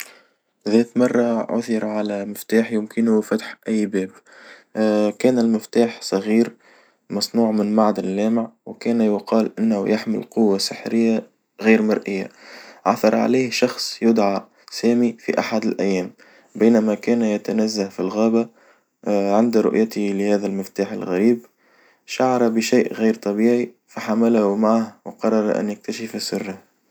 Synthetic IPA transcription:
ðɛːt̪mɑrˤːɑʕʊ̰θɪɾʕalæmɪft̪aːħjɪmkɪnufat̪ħʔæjːbɛːb | kɛːnɪlmɪft̪aːħsˤɑɣiːɾ | mɑsˤnuːʕmɪnmaʕd̪ɪlːæːmɪʕwkæːnjʊqɑːlʔɪnːhṵjaħmɪ̰lqʊwːasɪħɾɪjːa | ɣiːɾmɑɾˤʔɪjːa̰ʕa̰θɑɾˤʕa̰liːhʃɑxsˤjʊd̪ʕa | sæːmifḭʔaħad̪ɪlʔæjːæːm | biːnamækæːnjat̪anæzːafilɣæːba | ʕɪnd̪ɾʊ̰ʔjat̪lɪhæːðælmɪft̪aːħɪ̰lɣaɾiːb | ʃaʕɑɾˤɑbəʃaːʔɣiːɾt̪ˤɑbiːʕi | faħamælahumaʕahwqɑrˤːɑɾˤʔæ̰njɪk̚t̪aʃəfasʊrːɪh

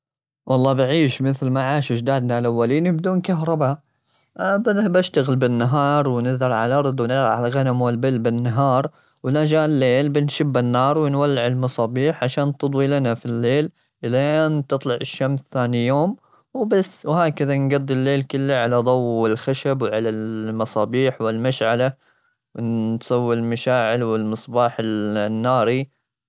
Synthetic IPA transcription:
wʔɑlˤːɑːbɪʕiːʃmɪθlmaʕaːʃɪd͡ʒd̪aːd̪nalʔawːaliːnibd̪uːnkaɦɾˤɑba | bbaʃt̪aɣɪlbɪnːaɦɑːɾˤwɪnɪðɑɾˤʕa̰lʔɑɾˤd̪ˤwnɪðɾʕalaɣanamwɪlbɪlːbɪnːaɦɑːɾˤ | wlad͡ʒaːʔɪlːeːlbɪnʃɪbːɪnːɑːɾˤwɪnwalːɪʕɪlmɑsˤɑːbiːħʕaʃaːnt̪ɨd̪ˤwilanafilːeːl | ʔɪlaʔeːnt̪ɨt̪ˤlɑʕɪʃːamsθaːnijoːm | wbasːwhaːkaðanɡɑd̪ˤːɪlːeːlkɪlːaʕalad̪ˤɑwɪlxaʃabwʕalalmɑsˤɑːbiːħwɪlmaʃʕala | wɪnt̪sˤɑwːɪlmaʃaːʕɪlwɪlmɨsˤbɑːħɪlnːɑːɾi

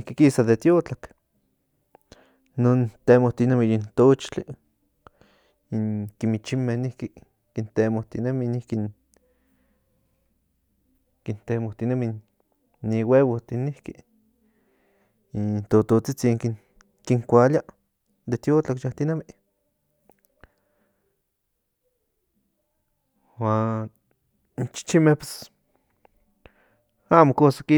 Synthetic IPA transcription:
nihkikisaðet̪jot͡ɬak | noːnt̪emoht̪inemijint̪ot͡ʃt͡ɬi | iŋkimit͡ʃimehnihki | kint̪emoht̪ineminihkin | kint̪emoht̪inemiː | iwewoht̪inihki | nt̪ot̪ot͡sit͡siŋki | kiŋkʷalja | d̪et̪joːt͡ɬakʃaht̪inamiʔ | waːn | nt͡ʃi̥t͡ʃimehpwes | aːmokosaki

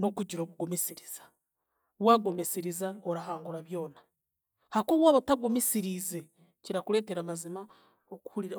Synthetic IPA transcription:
no̞kuɟiɾo̞ːβuɡomisiɾiz̥ḁ | βwaːɡo̞mesiɾizaoɾaɦaːŋɡuɾaβjo̞ːna | hakoːβwaːβotaɡo̞misiɾize̞ | ciɾakule̞ːte̞ɾamazima | oku̥huɾiɾa

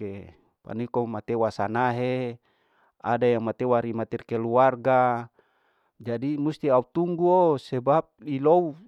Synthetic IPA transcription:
e | pa̰nikomat̪ewasanaɦe | a̰dajaŋmat̪ewaɾimat̪irkeluarɡa | d͡ʒadimust̪iaut̪uŋɡuosebap̚ilou

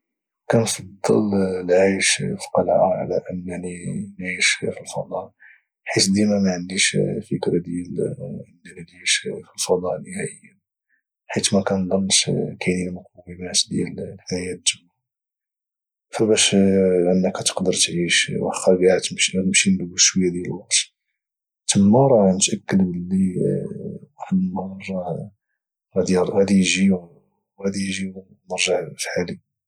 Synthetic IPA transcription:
kænfɑd̪ˤːəllʕajʃfi̥qɑlʕa̰ʕa̰læ̰ʔənːæʕninʕiʃfilfɑ̰d̪ˤɑʔ | ħit̪d̪imæmæʕənd̪iʃfəkɾad̪jælʕənːænliʃfilfɑd̪ˤɑʔnəhæʔəjːa | ħit̪mækænd̪ˤɑnːʃkʰænilmʊq̚ɑwəmæt̪d̪jæ̰llħæjæt̪ːəmːa | fæbæʃʕənːəkæt̪ə̥qd̪əɾˤt̪ʕiʃwæ̰xːɑɾɡaʕt̪mʃmʃinlwəʃwəjːæd̪jælwɑqt̪ | t̪əmːæɾˤɑnət̪ʔækːəd̪bəlːi | wæħəd̪mrˤːɑ | ɣæd̪iɣæd̪ijʒi | wɣæd̪ijʒiw | nəɾˤʒəʕfħali

